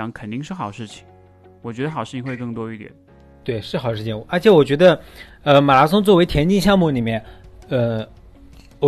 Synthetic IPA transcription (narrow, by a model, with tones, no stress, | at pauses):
ŋkʰə˨˩nt̪i˥˧ŋʂɻ̩˥˩xɑ˨˩ʊʂɻ̩˥˩t͡ɕʰi̥˨˩ŋ | wɔ˨˩t͡ɕɥɛ˧˥d̪ə˧xɑ˨˩ʊʂɻ̩˥˩t͡ɕʰi˧˩ŋxwe˥˧ɪkɤ˥˩ŋt̪wɔ˥i˥˩t̪jɛ̰˨˩˦n | t̪we˥˩ɪʂɻ̩˥˩xɑ˨˩ʂɻ̩ʰ˥˩i˧˥ŋ˧˩ə˧˥t͡ɕʰɛ˧˥wɔ˨˩t͡ɕɥɛ˧˥d̪ə˧ | ə˧ma˨˩la˧˥sʊ˥ŋt͡swwe˧˥ɪt̪ʰjɛ˧˥nt͡ɕi˥˧ŋɕjɑ˥˧ŋmu˥˩ni˨˩mjɛ˥˩nə˥˧˨